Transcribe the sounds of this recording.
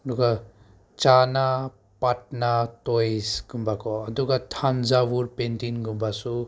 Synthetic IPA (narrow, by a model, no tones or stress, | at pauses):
duɡa | t͡ʃana | pat̚natojsɡumbakɔːduɡatʰanzabuɾpentinɡumbasu